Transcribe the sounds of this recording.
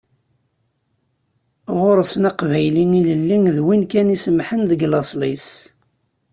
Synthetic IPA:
ʁʊɾsənɑqvæjliniləlːinðwinkænisəmħənðəɡlɑsˤlis

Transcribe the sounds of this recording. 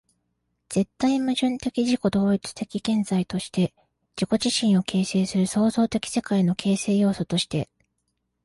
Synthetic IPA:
z̥e̞t̪ːaimɯʑɨ̃nt̪e̞kʲiʑiko̞d̪o̞ːit͡sɨ̥t̪e̞kʲiɡẽ̞nzait̪o̞ɕi̥t̪e̞ | d͡ʑiko̞ʑiɕĩɰ̃o̞kʰe̞ːse̞ːsɨɾɯ̟so̞ːzo̞ːt̪e̞kʲi̥se̞kaino̞kʰe̞ːse̞ːjo̞ːso̞t̪o̞ɕi̥t̪e̞̰

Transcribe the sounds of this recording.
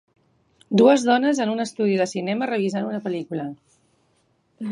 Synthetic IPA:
d̪uəzðɔnəzənunəst̪uð̞iðəsinɛmərəβ̞izanunəpəlikulə

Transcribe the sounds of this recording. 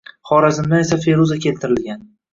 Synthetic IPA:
χɒɾazɪmd̪ane̞safe̞ɾuzakʲe̞lt̪ʰɪɾɪlɡʲan

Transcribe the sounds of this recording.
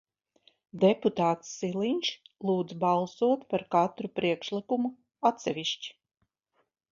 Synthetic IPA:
d̪ɛput̪aːt̪sːilˠiɲʲʃlˠuːd̪zbalˠsuɔt̪paɾkat̪ɾupɾiɛkʃlˠikumu | at̪sʲɛvʲiʃt͡ʃi̥

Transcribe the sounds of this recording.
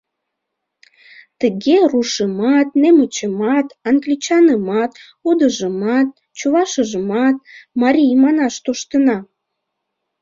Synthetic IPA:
t̪əɣeruʃəmɑt̪nemət͡ɕəmɑt̪ɑŋɡlʲit͡ɕɑnəmɑt̪ | ud̪əʒəmɑt̪̚ | t͡ɕuβɑʃəʒəmɑt̪̚mɑɾʲijmɑnɑʃt̪oʃt̪ənɑ

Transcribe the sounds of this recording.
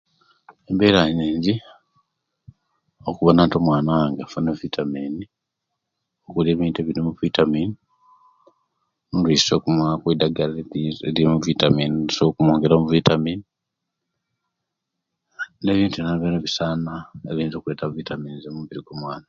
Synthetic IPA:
embeɾaɲiːɲɟi | okuβananto̞mwaːnaŋɡafunevitʰamiːni | okuleːβiːnteβiɾimuvitamiːni | nliso̞kumakwidaɡaleeliimuvitamiːnisokumoːŋɡeɾamuvitamiːni | e̞ːβiːntuenaβeneβisaːnaeβiːnzokuweːtavitamiːnizemuβiɾiɡomwaːna

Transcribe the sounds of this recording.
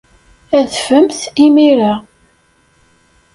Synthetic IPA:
æðfəmθimiɾa

